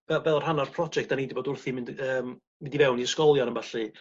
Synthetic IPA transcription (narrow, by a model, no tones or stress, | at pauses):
b̥ɛvɛlˠrhanarpʰrɔd͡ʒɛktd̥anidibɔːdʊrθimɪndəːm | mɪndivɛwniəskɔlˠjɔnənvaɬɨ